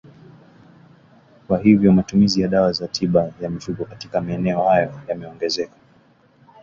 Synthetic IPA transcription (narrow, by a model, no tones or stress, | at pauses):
kwahivjɔmatumizijaɗawazatʰiɓajam̩fukɔkatikamaɛnɛɔhajɔjamɛɔŋɡɛzɛkḁ